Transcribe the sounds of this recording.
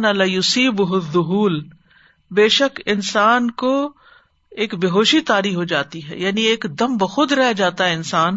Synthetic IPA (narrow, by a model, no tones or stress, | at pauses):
nalaːjʊsiːbɦʊðːʊɦuːl | beːʃəkɪnsaːnko | eːkbeɦoːʃit̪aːɾiɦod͡ʒaːt̪iɦɛ̰jaːnieːkd̪ɐmbɐxʊd̪ɾɛɦd͡ʒaːt̪aɦɛɪnsaːn